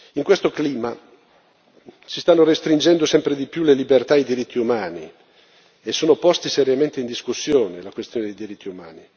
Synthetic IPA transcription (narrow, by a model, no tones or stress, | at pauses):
iŋkwest̪okliːma | sist̪anːoɾest̪ɾind͡ʒɛnd̪osɛmpɾed̪ipjulelibert̪aːjd̪iɾit̪ʰːiumaːni | esːoːnopɔst̪iseɾjament̪eind̪iskusːjoːnelakwest̪joːned̪ejd̪iɾit̪ʰːiumaːni